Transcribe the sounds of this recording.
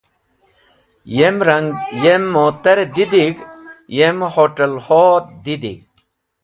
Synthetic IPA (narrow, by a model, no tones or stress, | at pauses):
jemɾɐŋɡjemːot̪ɐɾd̪id̪iɡjemhoʈɐlhod̪id̪ḭɡ